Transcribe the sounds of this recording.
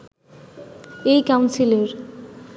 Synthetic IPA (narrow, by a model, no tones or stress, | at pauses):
ejkawnsileɾ